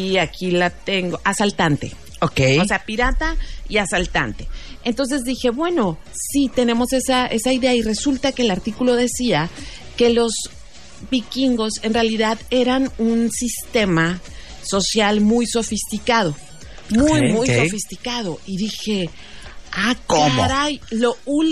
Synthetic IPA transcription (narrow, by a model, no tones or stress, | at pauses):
iakʰilat̪e̞ŋɡoʔasalt̪ant̪e̞̰ | okejose̞apiɾat̪aiasalt̪a̰nt̪e̞̥ | ent̪o̞ns̬e̞zðixe̞βwe̞no̞ | sit̪e̞ne̞mo̞se̞saʔe̞saiðe̞aire̞sult̪ake̞ːlaɾt̪ikulo̞ðe̞sia | ke̞lo̞z | βikiŋɡo̞se̞nrealiðaðe̞ɾanunsist̪e̞ma | so̞sjalmujso̞fist̪ikað̞o̞ | mujmujsofist̪ikað̞o̞iðixe̞ | akoɾajloul